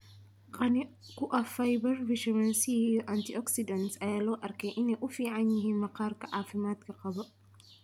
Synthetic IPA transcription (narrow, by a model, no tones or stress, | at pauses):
qʼɐnɪkʊʔɐfɐjbɐɾvɪʃɐmɐnsiːʔɐnt̪ɪʔɔksɪd̪ɐnsɐjɐloːʔɐɾkeːʔɪnːɛʔʊfiːʔaɲːɪhɪmɐqaːɾkɐʔaːfɪmaːt̪kɐkʼɐbɐ